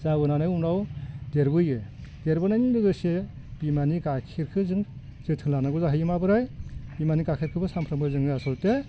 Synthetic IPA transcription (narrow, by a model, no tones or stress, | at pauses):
zaɡɯnanajumɾawdeɾbɯjɯd̥eɾbɯnajnɯŋɾɯɡɯse | b̥imanikakʰiɾkʰɯzɯŋzɯtʰɯŋlanaɡɔzaɦɯjɯmabɯɾajbimanikakʰiɾkʰɯbɯsampʰɾɯmkʰɯzɯŋɯasɯlte